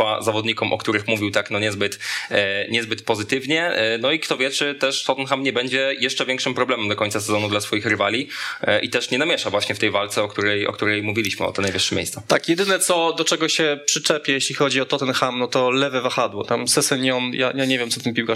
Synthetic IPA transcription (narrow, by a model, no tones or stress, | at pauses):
azavɔd̪ɲikɔmʔɔ̰kt̪uɾɘxmuvʲiwt̪aknɔɲɛzbɘt̪ | ɲɛzbɘt̪pɔzɘt̪ɘvɲɛnɔikt̪ɔvʲjɛt͡ʂɘt̪ɛʂt̪ɔt̪ɛnxamɲɛbɛɲd͡ʑɛjɛʂt͡ʂɛvʲjɛŋkʂɘmpɾɔblɛmɛmd̪ɔkɔɲʲt̪sasɛzɔnud̪lasfɔjixɾɘvalʲiʔḭt̪ɛʂɲɛnamʲjɛʂavwaɕɲɛft̪ɛjvalt̪sɛɔkt̪uɾɛjɔ̰kt̪uɾɛjmuvʲilʲiɕmɘɔ̰t̪ɛnajvɘʂːɛmʲjḛjst̪sɛt̪akjɛd̪ɘnɛt̪sɔd̪ɔt͡ʂɛɡɔɕɛpʂɘt͡ʂɛpʲjɛjeɕlʲixɔd͡ʑiɔt̪ɔt̪ɛnxamnɔt̪ɔlɛvɛvaxad̪wɔt̪amsɛsɛniɔnja̰jaɲevʲjɛmsɔ̥t̪ɘmpʲiwka